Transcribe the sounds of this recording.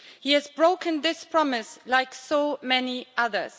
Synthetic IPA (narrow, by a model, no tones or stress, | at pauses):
hiɨzbɹoʊkʰɨ̃nðɪspʰɹ̥ɑmɪslaɪksomɛniʔʌðə̰˞z̥